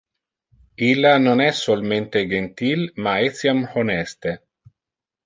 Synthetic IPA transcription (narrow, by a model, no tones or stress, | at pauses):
ilːanonɛsolment̪ed͡ʒent̪ilmaɛt̪sjamonɛst̪e